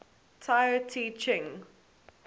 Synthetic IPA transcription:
tʰaɪətʰiːt͡ʃɪ̃ŋ

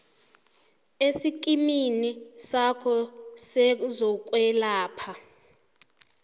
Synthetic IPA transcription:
esik̬ʼiminisakʰɔsɛzɔk̬ʼwɛlaːpʰa

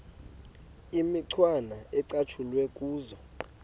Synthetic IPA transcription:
imiǀʰwanaɛǀat͡ʃʰulwɛkʼuːzɔ

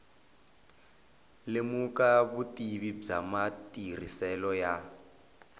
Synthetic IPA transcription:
lemukaβutiβib͡ʐa̰matir̤ḭsɛlɔja

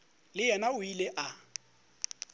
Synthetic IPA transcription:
lɪjɛnaʊilɛʔa

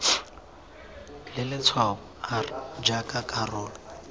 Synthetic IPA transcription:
lɪlɪt͡sʰwaʊ | ad͡ʒakʼakʼarɔːlɔ

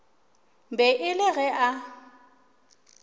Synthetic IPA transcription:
mbɛʔɪlɪɣɛʔa

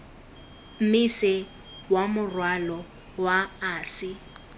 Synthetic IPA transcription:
m̩misɪ | wamʊrwalɔ | waaːsɪ

